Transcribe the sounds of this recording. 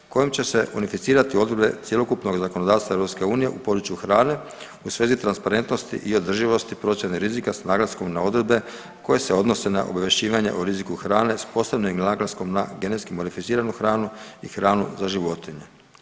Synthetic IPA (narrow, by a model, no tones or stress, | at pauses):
ko̞jimt͡ɕe̞se̞ʔunifit̪siːɾat̪io̞d̪ɾed̪be̞t̪sje̞lo̞kupno̞ɡzakonod̪aːst̪ʋaevɾo̞pske̞uːnije̞ʔupo̞d̪ɾut͡ʃjuxɾaːne̞ | usʋe̞ːzit̪ɾanspaɾe̞nt̪no̞st̪ḭʔio̞d̪r̩ʒiʋo̞st̪ipɾo̞sjeniɾizikasnaːɡlasko̞mnao̞d̪ɾe̞d̪̚be̞ | ko̞je̞seo̞d̪nose̞na̰ʔo̰baʋje̞ʃt͡ɕiːʋaɲe̞̰ʔuɾizikuxɾaːne̞spo̞sabnimnaːɡlasko̞mnaɡe̞net̪skimo̞d̪ifit̪siːɾanuxɾaːnuḭxɾaːnṵzaʒiʋo̞t̪iɲe